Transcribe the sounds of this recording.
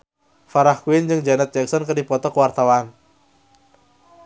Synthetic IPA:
faɾahkuɪnd͡ʒɨŋd͡ʒanat̪̚d͡ʒɛksɔnkərdipɔt̪ɔkwart̪awan

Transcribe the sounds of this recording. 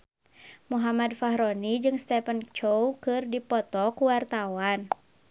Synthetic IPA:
muɦamadfaɦɾɔnid͡ʒɨŋst̪ɛpənt͡ʃowkɨrdipɔt̪ɔkuwart̪awan

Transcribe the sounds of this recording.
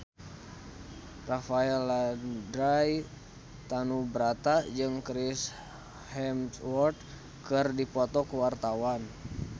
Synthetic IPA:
rafaɛladɾaj | t̪anubəɾat̪ad͡ʒɨŋkɾis | hɛmtwɔrt̪̚ | kɨrdipɔt̪ɔkəwart̪awan

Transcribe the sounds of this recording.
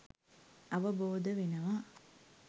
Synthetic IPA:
ɐʋəboːd̪əʋinɐʋaː

